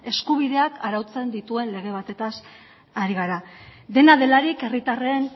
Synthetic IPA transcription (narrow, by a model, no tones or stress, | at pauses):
e̞skuβ̞iðe̞akaɾawt͡se̞nd̪it̪ue̞nle̞ɣ̞e̞β̞at̪e̞t̪as | aɾiɣaɾad̪e̞naðe̞laɾike̞rit̪are̞ːn